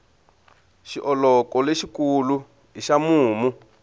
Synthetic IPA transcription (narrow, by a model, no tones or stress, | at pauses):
ʃiʔɔlɔkɔleʃikulu | ɦiʃamuːmu